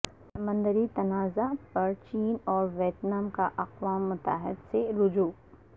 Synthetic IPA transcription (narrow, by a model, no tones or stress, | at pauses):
sɐmə̃nd̪əɾit̪ɐnaːzapɐɾt͡ʃiːnɔːɾʋeːt̪namkaʔɐqwaːmːʊt̪a̰ɦɪd̪seɾʊd͡ʒuː